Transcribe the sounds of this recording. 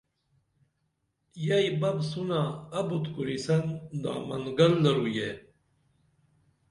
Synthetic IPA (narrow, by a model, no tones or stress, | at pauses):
jajbabsunaabut̪kuɾisand̪a̰ːmanɡalːəɾuje